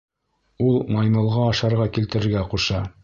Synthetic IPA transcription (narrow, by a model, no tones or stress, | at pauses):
ulˠmɑjmɤ̆lˠʁɑːʃɑɾʁɑkilt̪ɘ̆ɾɘ̆ɾɡæquʃɑ